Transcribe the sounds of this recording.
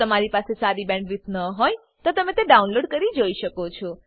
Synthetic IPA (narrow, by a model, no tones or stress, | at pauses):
əmaɾipasesaɾibɛ̃ɳɖɾit̪ʰnəɦoj | t̪ot̪əmẽt̪eɖaunloɖkəɾid͡ʒoiʃəkot͡ʃʰɔ